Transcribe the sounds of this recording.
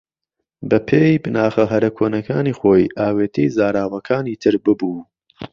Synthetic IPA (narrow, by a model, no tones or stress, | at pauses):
bɐpʰejbɨnaːχɐɦɐɾɐkʰoːnɐkʰaːniːχoːjʔaːweːt̪ʰijzaːɾaːwɐkʰaːniːt̪ʰɨɾbɨbuː